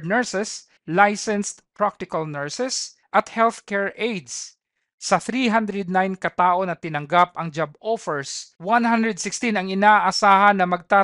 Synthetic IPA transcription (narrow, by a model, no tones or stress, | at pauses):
nɛɹsɛs | lajsɛnst̪pɹak̚t̪ɪkɐlnɛɹsɛs | ʔɐt̪hɛlθkɛɹʔejd̪sː | ɐθɾiɦand̪ɾɛd̪̚najnkɐt̪aːʔo̞nɐt̪ɪnɐŋɡapɐŋd͡ʒabofɛɹswanhand̪ɾɛd̪̚sɪkst̪inɐŋɪnaʔʔɐsaːɦɐnːɐmɐɡ̚t̪a